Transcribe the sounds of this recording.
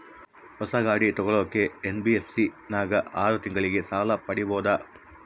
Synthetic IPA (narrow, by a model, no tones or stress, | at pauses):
hɔsɐɡaːɽit̪ɔɡɔɭoːkːeːnbiefsi | naːɡɐʔaːɾut̪iŋɡɐɭiɡe̞saːlɐpɐɽibɔːd̪ɐ